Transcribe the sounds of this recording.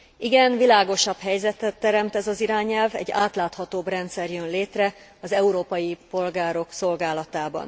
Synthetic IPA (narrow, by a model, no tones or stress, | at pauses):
iɡɛnvilaːɡo̞ʃɒbhɛjzɛt̪ɛt̪ːɛɾɛmt̪ɛzɒziɾaːɲɛlvɛ̰ɟːaːt̪laːt̪hɒt̪oːbrɛnt̪sɛrjønleːt̪rɛ | ɒzɛuɾoːpɒjipo̞lɡaːɾo̞kso̞lɡaːlɒt̪aːbɒ̰n